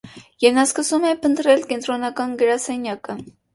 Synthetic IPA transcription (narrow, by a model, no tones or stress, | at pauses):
jɛvnɑskəsumɛpʰənt̪ɾɛlkɛnt̪ɾɔnɑkɑnɡəɾɑsɛnjɑkə